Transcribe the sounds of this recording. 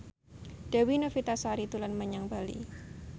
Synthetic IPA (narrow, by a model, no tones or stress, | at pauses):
d̥awinofit̪asaɾit̪ulanməɲaŋbalḭ